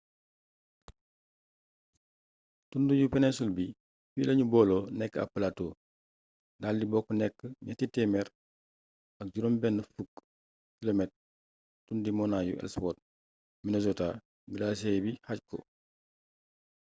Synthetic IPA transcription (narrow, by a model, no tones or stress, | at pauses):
tundujupɛnɛsulbi | filɐɲubɔːlonɛkːa̰palatoː | daːldibɔːkːɔnɛkːəɲatitɛmɛɾ | ɐk̚ɟuɾombɛnːəfukː | kilomɛt̚ | tundimɔnajṵʔɛ̰lspɔːt̚ | minezota | ɡilaːs̬ejbihac̚kɔ̰